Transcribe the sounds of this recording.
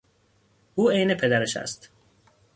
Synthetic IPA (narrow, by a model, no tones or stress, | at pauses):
uːejnepʰed̪æɾeʃæ̰st̪